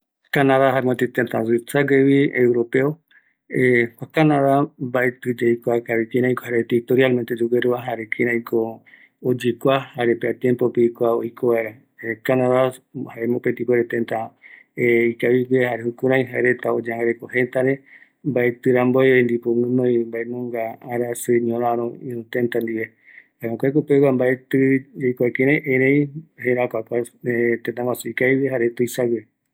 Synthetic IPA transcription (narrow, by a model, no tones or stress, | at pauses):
kanaðaɦaemõt̪it̪ent̪ãzit͡saɡeβiewɾope̞o | ekʷakanaðambaet̪ɨd͡ʒejkʷakaβikĩɾãj̃kohaɾet̪it̪oɾialment̪ed͡ʒuɡeɾuaɦaɾekʰĩɾãj̃ko | od͡ʒikʷahaɾepeat̪jẽmpopeikʷaojkʰoβaeɾa | ekanaðahaemõpent̪ipweɾet̪ẽnt̪a | eikaβiwehaɾehukuɾãj̃ɦaeɾet̪aod͡ʒãŋɾekohẽnt̪aɾe | mbaet̪ɨɾamboeend̪ipõŋɨ̃nõimbaenõŋɡaːɾasɨɲõɾãɾ̃õĩũt̪ẽnt̪and̪iβe | aɾõkʷajk̬upekambaet̪ɨejkʷakẽɾẽʔẽɾẽjheɾakʷakʷat̪ẽnt̪ãŋkʷwasuikaiβeɦaɾet̪ɨjsawe